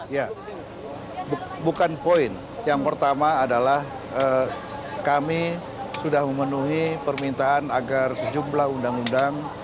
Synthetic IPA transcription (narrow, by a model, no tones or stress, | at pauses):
ja | bbukanpoɪn | jaŋpərt̪amaːdalah | ə | kami | sudahməmənuɦipərmint̪aːnaɡarsəd͡ʒumblahundaŋundaŋ